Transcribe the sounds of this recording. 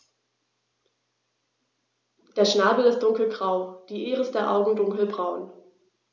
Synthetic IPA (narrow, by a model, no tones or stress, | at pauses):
d̥eːɐʃnaːbl̩ɪstd̥ʊŋkl̩ɡʁaʊd̥iːʔeːʁəsd̥eːɐʔa̰ʊɡŋ̩dʊŋkl̩bʁaʊn